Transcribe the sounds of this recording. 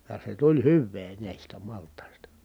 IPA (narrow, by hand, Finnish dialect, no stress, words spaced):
jɑ se tulʲ hyʋːeː næˑistæ mɑltˑɑˑi̯stɑ